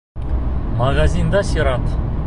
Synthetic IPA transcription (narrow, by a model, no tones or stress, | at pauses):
maɡazʲijnd̪ɑsiɾɑt̪